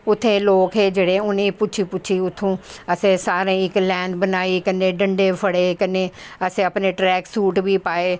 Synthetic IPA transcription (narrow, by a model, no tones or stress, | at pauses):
ʊt̪ʰːẽːloːkɦeːd͡ʒeːɽeʊnẽpʊt͡ʃʰiːpʊt͡ʃʰiʊt̪ʰːũːəsẽːsaːɾẽːɪklɛ̃ːɳɖbənaːiːkəneːɖə̃ɳɖeːpʰəɽeːkəneːəsẽəpneːʈɾɛːksuːʈbʱiːpaːeː